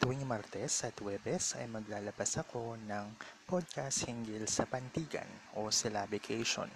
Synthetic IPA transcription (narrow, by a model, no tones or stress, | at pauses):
t̪uwiŋmaɾt̪ɛsʔɐt̪wɛbɛsɐ̰jmɐɡlaːlɐbasɐko̞nɐŋpod̪̚kast̪̚hɪŋɡɪlsɐpɐnt̪iːɡɐ̰nʔo̞sɛlabɪkʰɛjʃo̰n